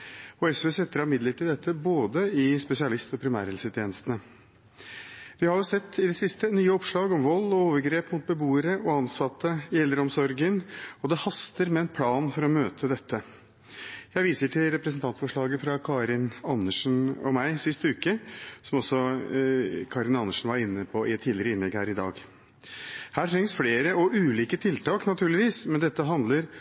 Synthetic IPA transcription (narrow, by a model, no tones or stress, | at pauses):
ɔɛsʋeːsɛt̪ːəɾɑmɪd̪lət̪ɪd̪ɛt̪ʰːəboːd̪əɪspɛsɪɑlɪst̪ɔpʰɾɪmæ̰ːɾɛlsət̪ʰjeːnəst̪ənə | ʋɪhɑɾjʊːsɛt̪ːɪd̪ɛsɪst̪ənyːəɔpʂɭɑːɡɔmʋɔlːɔoːʋəɾɡɾeːpmʊt̪̚bəbuːəɾəɔɑnsɑt̪ːəɪɛld̪ɾəɔmsɔɾɡənɔd̪ɛhɑst̪əɾmɛɛnpʰlɑːnfɔɾɔmøːt̪ʰəd̪ɛt̪ʰːə | jæɪʋiːsəʈʰɪlɾɛpɾəsənt̪ɑnt̪sfɔʂɭɑːɡəfɾɑkʰɑːɾɪnɑnːəʂn̩ɔ̰mæɪsɪst̪əʉːkəsɔmɔsɔ | kʰɑːɾɪnɑnːəʂn̩ʋɑɾɪnːəpʰɔɪɛt̪ʰːiːd̪ɪəɾəɪnlɛɡhæːɾɪd̪ɑ̰ːɡ | hæːʈʰɾɛŋsfleːɾəɔʔʉːliːkət̪ʰɪlt̪ɑːknɑt̪ʰʉːɭɪʋiːsmɛnd̪ɛt̪ːəɦɑnd̪ləɾ